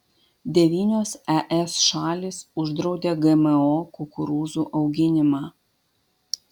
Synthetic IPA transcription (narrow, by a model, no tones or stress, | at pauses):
d̪ʲɛʋʲiːnʲoːsɛʔɛsʃɑːlʲiːsʊʒd̪ɾɒʊd̪ʲeːɡɛmɛoːkʊkʊɾuːzuːʔɐʊɡʲɪnʲɪmɑː